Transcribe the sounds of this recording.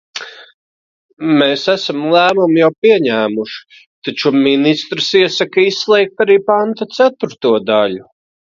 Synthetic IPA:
meːsæsamlˠæːmumjawpiɛɲæːmuʃi̥ | t̪at͡ʃuminist̪ɾsiɛsakaisslˠɛjk̚t̪aɾiːpant̪at̪sæt̪uɾt̪uɔd̪aʎu

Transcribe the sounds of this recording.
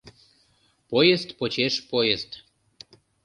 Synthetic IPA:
pojest̪pot͡ɕeʃpojest̪

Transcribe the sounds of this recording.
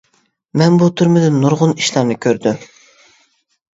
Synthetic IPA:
mɛnbut̪ʰyɾmɪd̪ɪnːuɾʁʊniʃlˠɑɾnɨkʲʰøɾd̪ym

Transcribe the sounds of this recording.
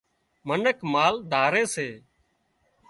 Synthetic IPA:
mənəkmaːld̪ʱaːɾeːseː

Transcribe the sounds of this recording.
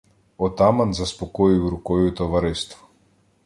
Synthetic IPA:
ɔt̪amanzaspɔkɔjiwɾukɔjɔt̪ɔvaɾɛst̪vɔ̥

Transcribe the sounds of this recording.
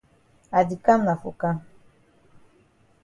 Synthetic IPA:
ad̪ikamnafṵka

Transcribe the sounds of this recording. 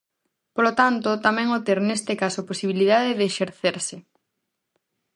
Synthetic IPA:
polot̪ant̪ot̪amɛ̃ŋot̪eɾnest̪ɪkasoposiβ̞ilið̞aðɪðeːʃeɾθeɾsɪ

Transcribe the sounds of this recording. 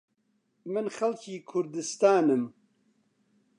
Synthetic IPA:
mɨnxɐlkiːkʰʊɾd̪ɨst̪aːnɨm

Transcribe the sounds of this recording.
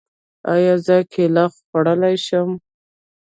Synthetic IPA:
ɑjɑzəkʰelɑxxaɽəlajʃəm

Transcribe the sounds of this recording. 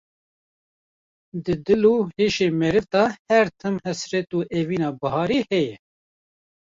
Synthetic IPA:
d̪ɨd̪ɨluːheːʃeːmɛɾɨvt̪ɑːhɛɾt̪ʰɨmhɛsɾɛt̪uːʔeviːnɑːbɨɦɑːɾehɛjɛ

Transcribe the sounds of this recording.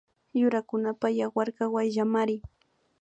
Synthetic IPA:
jʊɾakʊnapajawaɾɢɑwajʒamaɾɪ

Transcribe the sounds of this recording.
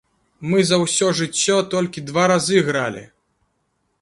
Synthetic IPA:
mɨzɐwsʲɔʐɨt͡sʲːɔt̪ɔlʲkʲid̪vaɾazɨɣɾalʲḭ

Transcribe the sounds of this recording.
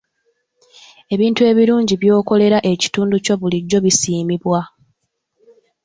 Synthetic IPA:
e̞βiːntue̞ːβiɾuːɲɟiβjo̞ːko̞le̞ɾaʔe̞ci̥tuːnduco̞βuliɟːo̞βisiːmiβwa

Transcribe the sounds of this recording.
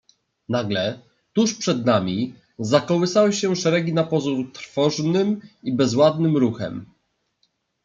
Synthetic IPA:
naɡlɛ | t̪uʂpʂɛd̪namʲi | zakɔwɘsawɘɕɛʂɛɾɛɡʲinapɔzuɾt̪ɾfɔʐnɘmibɛzwad̪̚nɘmɾuxɛ̰m

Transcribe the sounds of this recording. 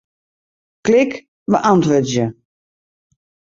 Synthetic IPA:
klɪk | ʋəʔantʋødjə

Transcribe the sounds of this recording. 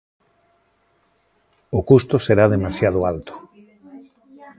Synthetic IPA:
ʊkust̪ʊseɾaðemasjað̞oalt̪o̥

